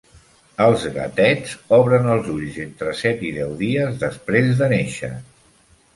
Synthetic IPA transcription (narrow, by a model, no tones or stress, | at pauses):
əlˠzɣə̰t̪ɛd͡zɔβɾənəlˠzuʎzent̪ɾəsɛt̪iðɛwðiəzðəspɾezðəneʃə̰